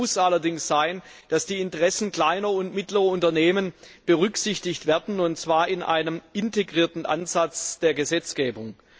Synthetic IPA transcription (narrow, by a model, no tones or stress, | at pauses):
ʊsʔalɐdɪŋsz̥aɪn | d̥asd̥iːɪntəʁɛsn̩kl̥aɪnɐʊntmɪtlɐʁɐʊntɐneːmən | b̥əʁʏksɪçtɪçtv̥ɛːɐdn̩ʊntt͡sv̥aːɐɪnʔa̰ɪnəmʔɪnteɡʁiːɐtn̩ʔa̰nzat͡sd̥eːɐɡəzɛt͡sɡ̥eːbʊŋ